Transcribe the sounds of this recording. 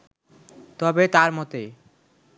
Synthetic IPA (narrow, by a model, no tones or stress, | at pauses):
t̪ɔbet̪aɾmɔt̪e